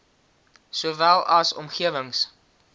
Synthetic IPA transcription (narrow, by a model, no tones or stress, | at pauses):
suəvælˠɐsɔ̰mχiəvəŋs